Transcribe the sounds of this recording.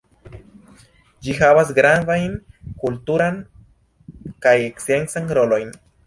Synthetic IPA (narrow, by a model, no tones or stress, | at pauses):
d͡ʒiɦavas̬ɡɾanvajnkultuɾan | kajekse̞nsanɾo̞lo̞jn